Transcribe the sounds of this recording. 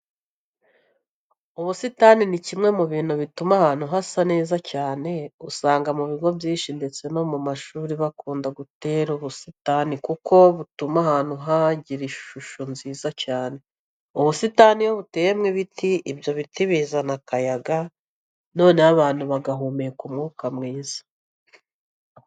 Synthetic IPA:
uβusitaninicimŋe̞muβiːn̥huβitumahaːn̥uɦasane̞ːzacaːne̞usaːŋɡamuβiɡo̞bɟiːʃinde̞t͡se̞no̞mumaʃuːɾiβakuːndaɡute̞ːɾuβusitanikuko̞βutumahaːn̥huɦaɟiɾiʃʃuʃonziːzacaːne̞ | uβusitanijoβute̞ːjemŋiβitʰiʔibjo̞βitiβizanakajaɡa | no̞ːneaβaːn̥huβaɡaɦumekumŋuːkamŋiːz̥ḁ

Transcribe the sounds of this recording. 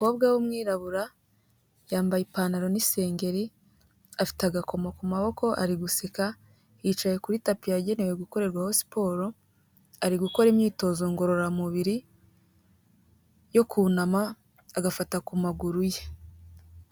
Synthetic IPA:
uko̞ːbɡawomŋiːɾaβuɾa | jaːmbajipaːnaɾo̞nise̞ːŋɡe̞ɾi | afi̥taɡako̞mokumaβo̞ko̞ʔa̰ɾiɡusika | it͡ʃajekuɾitapijaɟe̞newe̞ɡuko̞ɾe̞ɾɡwaho̞si̥po̞ːɾo̞ | aɾiɡuko̞ɾemɲiːto̞ːzo̞ŋɡo̞ɾo̞ɾamuβiɾi | jo̞kʰunamaː | ɡafatakumaɡuɾuje

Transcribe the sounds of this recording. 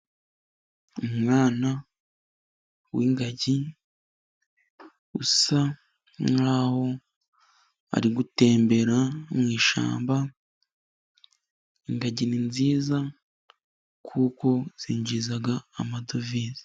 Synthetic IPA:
umŋaːna | wiŋɡaɟi | ṵsa | ŋaːho̞ | a̰ɾiɡute̞ːmbe̞ɾamŋwiːʃa̰ːmba | iŋɡaɟininziːza | kʰuːko̞z̥iːɲd͡ʒizaɡaːmado̞viːzi̥

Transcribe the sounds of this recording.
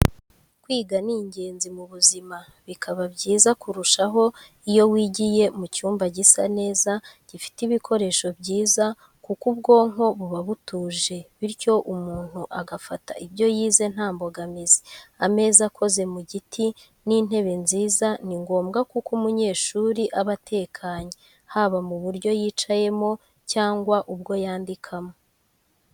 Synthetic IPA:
kwiːɡaniːɲɟe̞ːnzimuβuzima | βikʰaβabɟiːzakuɾuʃaɦo̞ | ijo̞wiːɟije̞mucuːmbaɟisa̰ne̞ːzaɟ̥ifi̥tiβikʰo̞ɾe̞ːʃo̞bɟiːza | kukubɡo̞ːŋɦo̞βuβaβutuːʒe̞βiɾco̞ʔumuːn̥huʔaɡafata̰ʔibɟo̞jiːze̞n̥haːmbo̞ɡamize̥ame̞ːzakʰo̞ze̞muɟitʰi | nin̥e̞βe̞nziːzaniŋɡo̞ːmɡakukumuɲe̞ːʃuɾiʔaβatʰe̞ːkʰaːɲe | haβamuβuɾɟo̞jiːt͡ʃaje̞mo̞ | caːŋɡwaʔub̚ɡo̞jaːndikʰamo̞

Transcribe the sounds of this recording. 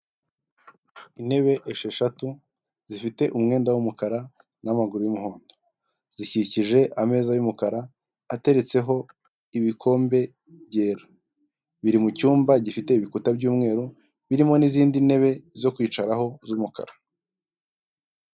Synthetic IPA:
ine̞βe̞ʔeʃe̞ʃatu | zifite̞ʔumŋe̞ːndawumukaɾa | namaɡuɾujumuho̞ːndo | z̥iciciʒe̞ʔame̞ːzajumukaɾaː | te̞ɾe̞t͡se̞ɦo̞ | iβikʰo̞ːmbe̞ | ɟe̞ːɾḁ | βiɾimucuːmbaɟifite̞iβikutabɟuːmŋe̞ːɾu | βiɾimo̞niziːndine̞βe̞zo̞kwiːt͡ʃaɾaɦo̞zumuka̰ɾa

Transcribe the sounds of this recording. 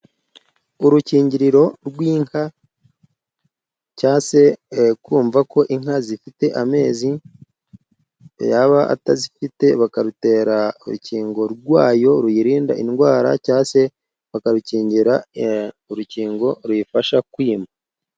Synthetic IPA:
uɾuciːɲɟiɾiɾo̞ɾɡwiːŋha | caːse̞kwuːɱvako̞ʔiŋhazifite̞ʔame̞ːzi | jaβaʔa̰tazifite̞βakaɾute̞ːɾauɾṵciːŋɡo̞ɾɡwaːjo̞ɾujiɾiːndaʔinɡwaːɾa̰caːse̞ | βakaɾuciːɲɟiɾa | uɾuciːŋɡo̞ɾwujifaʃakwiːma

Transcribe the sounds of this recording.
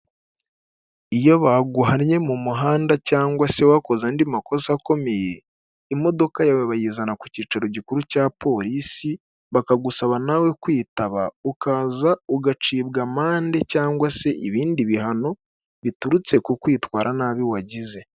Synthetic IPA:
ijo̞βaɡuɦaɾɲe̞mumuɦaːndacaːŋɡwase̞wako̞zandimako̞sako̞me̞je̞ː | mo̞do̞kajawe̞βajiːzanaku̥ciːt͡ʃaɾo̞ɟikuɾucaːpo̞ɾisi | βakaɡusaβanawe̞kwiːtaβaukazauɡat͡ʃiːbɡamaːnde̞caːŋɡwase̞ʔiβiːndiβiɦano̞ | βituɾut͡se̞kukwiːtwaːɾʔanaːβiwaɟize̞

